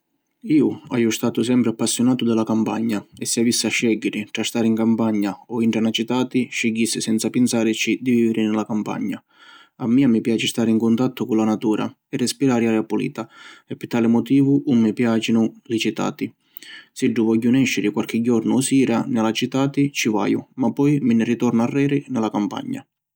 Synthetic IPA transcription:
iːʊa̰jʊst̪aːt̪ʊsɛmpɾɪapːasːjʊnaːt̪ʊd̪ɪlakampa̰ɲːaɛsːɪavisːaʃːɛɡːɪɾɪʈɾast̪aːɾɪiŋkampaɲːaɔiɳʈɾanat͡ʃit̪aːt̪ɪʃːɛɡːisːɪsɛnt̪sapɪnsaːɾɪt͡ʃid̪iviːvɪɾɪnɪlakampa̰ɲːa | amːiːamɪpjaːt͡ʃɪst̪aːɾɪiŋkʊnt̪at̪ːʊkʊlːanat̪uːɾʔa̰ | ɛrːɛspiɾaːɾɪaɾɪapulḭːt̪aɛpːɪɾt̪aːlɪmɔt̪iːvʊʔumːipjaːt͡ʃinʊlɪt͡ʃit̪a̰ːt̪ɪ | siɖːuvɔɟːunɛʃːɪɾɪkwalk̟ɪɟːɔɾnʊsiːɾanɪlat͡ʃit̪aːt̪ɪt͡ʃiva̰ːjʊ̰mapːɔjmɪnɪrit̪ɔɾnaarːɛːɾɪnɛlakampa̰ɲːa̰

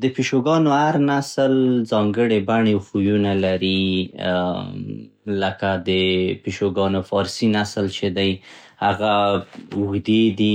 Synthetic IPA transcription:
d̪əpiʃoɡɑnohaɾnasəlzɑŋɡəɽebaɳexujunalaɾi | ləkad̪əpiʃoɡɑnofɑɾsinaslt͡ʃed̪aj | haɣaʊɣd̪ed̪i

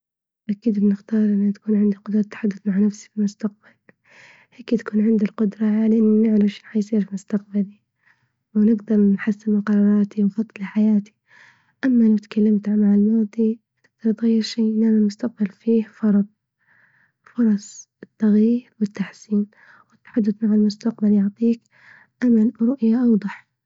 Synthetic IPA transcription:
ʔakiːd̪bnɪxt̪ɑːɾˤʔɪnːat̪ḁkuːnʕɪnd̪iqʊd̪ɾˤɑt̪ːḁħad̪ːʊθmaʕnafsi̥filmʊst̪aq̚bal | heːkt̪ḁkuːnʕɪnd̪ilqʊd̪ɾˤɑʕalɪʔɪnːnɪʕlaʃi̥ħajsˤiːɾfimʊst̪aq̚bali | wnɪɡd̪ɑɾˤnħasːɪnmɪqɑɾˤɑːɾˤɑːt̪iwnfɑt̪ˤːɨlɪħajaːt̪i̥ | ʔamːalawt̪kʰalːamt̪ʕmaʕalmɑːd̪ˤi | t̪ɪɡ̚d̪ɑɾˤt̪ɣajːɪɾʃeːʔɪnaːnalmʊst̪aq̚balfiːhfɑɾˤd̪̚ˤ | fʊɾˤɑsˤ | ɪt̪ːaɣjiːɾwɪt̪ːaħsiːn | wɪt̪ːħad̪ːadmaʕalmʊst̪aqbaljʊʕt̪ˤiːk | ʔamalɾˤʊʔjaʔɑwd̪ˤɑħ

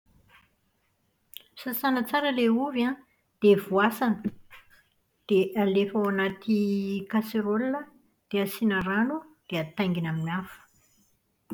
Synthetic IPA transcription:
msasanət͡saɾəleuviã | d̪̥evuasanə | d̪̥eʔalefawanat̪ikaseɾolːə | d̪̥easinəɾanud̪̥eət̪ajŋɡinaminafu̥

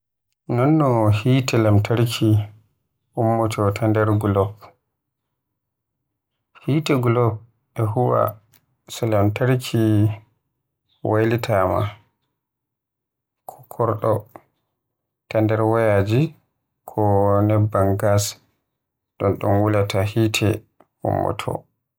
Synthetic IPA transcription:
nɔnːɔhiːtɛlamtʰaɾkʰi | ʔumːɔtɔtʰandɛɾɡlɔp | hiːtɛɡlɔp̚ | ɛɦuwa̰ | sɛlamtaɾkʰi | wajlitʰama̰ | kʰɔ̥kʰɔɾɗɔ | tandɛɾwɔjad͡ʒi | kʰɔnɛbːaŋɡas | ɗɔnɗɔ̰nwulatʰahitʰɛ | ṵmːɔ̰tʰɔ̰

